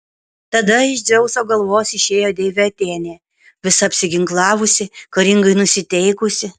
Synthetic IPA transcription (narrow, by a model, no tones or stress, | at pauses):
t̪ɐd̪ɐɪʒʲd̪ʲɛʊsoːɡɐlˠʋoːsɪʃʲeːjoːd̪ʲeːʋʲɛɐt̪ʲeːnʲeː | ʋʲɪsɐɐpʲsʲɪɡʲɪŋklˠɑːʋʊsʲɪkɐɾʲɪŋɡɐɪnʊsʲɪt̪ʲɛɪkʊsʲɪ